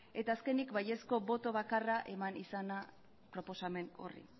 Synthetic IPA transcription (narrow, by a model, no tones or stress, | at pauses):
e̞t̪aːske̞nikbaje̞sko̞bo̞t̪o̞βakaraʔe̞manisana | pɾo̞po̞same̞no̞̰rḭ